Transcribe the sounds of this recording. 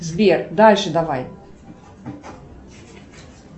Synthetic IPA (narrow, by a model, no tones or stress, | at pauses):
zbʲerd̪alʲʂɨd̪avaj